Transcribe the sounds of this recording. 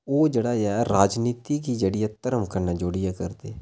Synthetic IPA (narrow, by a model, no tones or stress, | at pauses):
oːd͡ʒeːɽaːaɛɾaːd͡ʒniːt̪iːkiːd͡ʒeːɽɪjaːt̪əɾəmkəɾnaːd͡ʒoːɽɪjɛːkəɾd̪eː